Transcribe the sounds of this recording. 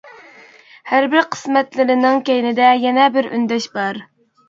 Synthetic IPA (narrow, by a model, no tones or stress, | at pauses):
hæɾbɪɾqʰə̥smɛt̪lɪɾɪnɪŋkʲejnɪd̪ɛjɛnɛbɪɾy̰nd̪ɛʃbɑɾ